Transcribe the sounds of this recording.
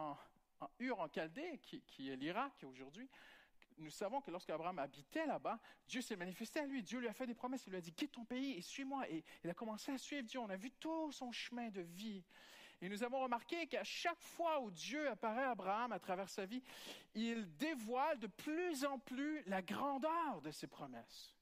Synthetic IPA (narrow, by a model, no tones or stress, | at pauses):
ɑ̃ | ɑ̃yʁɑ̃kʲald̪ekʲʰikʲʰiɛliʁakoʒuʁd̪ɥinusavɔ̃kəlɔʁskəabʁaamabit̪ɛlabad̪jøsɛmanifɛst̪ealɥid̪jølɥiafɛt̪̚d̪epχɔmɛsilːɥad̪ikʲit̪̚t̪ːɔ̃peiesɥimwaʔeilakɔmɑ̃seasɥivd̪jøɔ̃navyt̪usɔ̃ʃəmɛ̃d̪əvienuzavɔ̃ʁəmaʁkʲekaʃakfwaud̪jøapaʁɛabʁaamat̪χavɛʁsaviild̪evwald̪əplyzɑ̃plylaɡʁɑ̃d̪œʁd̪əsepχɔmɛ̰s